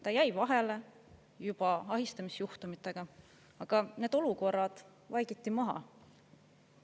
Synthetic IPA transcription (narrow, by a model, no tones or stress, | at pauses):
t̪ɑjæjvɑɦe̞le | jub̥ɑɑɦist̪ɑmisjuht̪umit̪ːˑe̞ɡ̥ɑ | ɑɡ̥ɑneːd̪o̞luko̞rːɑd̪̥ | vɑjɡ̥it̪ːimɑɦɑ̰